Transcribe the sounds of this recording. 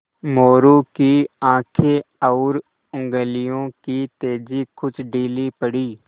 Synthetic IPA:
moːɾokiãːkʰeɔːɾ | ʊ̃ŋɡəlɪjõːkit̪eːd͡ʒikʰʊt͡ʃɖiːlipəɽiː

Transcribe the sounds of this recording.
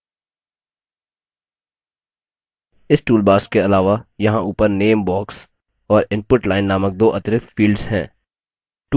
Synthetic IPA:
ɪsʈuːlbaːskeɐlaːʋajɐɦãuːpəɾneːmbɔːks | ɔːɾɪ̃npʊʈlaːɪnːaːmək̚d̪oːʔɐt̪ɾɪt̪fiːlɖz̥ɦɛ̰̃ː | ʈ

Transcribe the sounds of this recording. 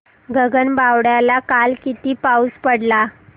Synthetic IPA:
ɡʱəɡənbawɽjalakalkit̪iːpauspəɽla

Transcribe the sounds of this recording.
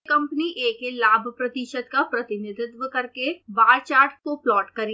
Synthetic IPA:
kɐ̃mpniʔeːkelaːbʱpɾɐt̪iʃət̪kapɾɐt̪ɪnɪd̪ʱɪt̪ʋəkɐɾkebaːɾt͡ʃaːɾʈkoplɔːʈkɐɾi

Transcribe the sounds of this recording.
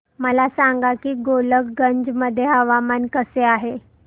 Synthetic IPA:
məlasaŋɡakiːɡolək̚ɡəɲd͡ʑməd̪ʱːjeɦəʋamankəseaɦe

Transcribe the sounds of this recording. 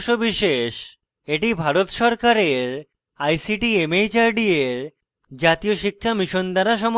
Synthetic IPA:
ʃobiʃeʃ | eʈibʱaɾot̪ʃɔɾkaɾeɾ | ajsiʈiemejt͡ɕaɾɖieɾ | d͡ʑat̪ijoʃikʰːamiʃond̪aɾaʃɔm

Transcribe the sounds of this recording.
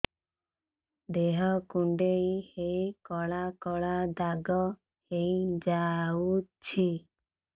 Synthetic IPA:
d̪eɦɔkuɳɖeihejikɔɭakɔɭad̪aɡɔ | heid͡ʒaut͡ʃʰi

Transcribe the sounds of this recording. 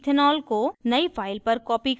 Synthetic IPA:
t̪ʰɪnɔːlkonɐifʰaːɪlpɐɾkɔːpik

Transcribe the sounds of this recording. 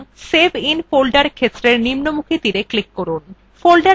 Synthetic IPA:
sebʱinfolɖaɾkʰet̪ːɾeɾnimnomukʰit̪iɾeklikːoɾun | folɖa

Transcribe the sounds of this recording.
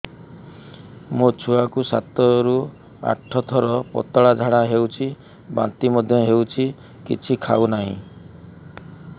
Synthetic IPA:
mot͡ʃʰuakusa̰t̪ɔɾu | a̰ʈʰːɔt̪ʰɔɾɔpɔ̰t̪ɔɭad͡ʒʱaɽaɦewt͡ʃʰi | ba̰nt̪imɔd̪ʱjɔɦewt͡ʃʰi | kḭt͡ʃʰikʰa̰unaɦḭ̃

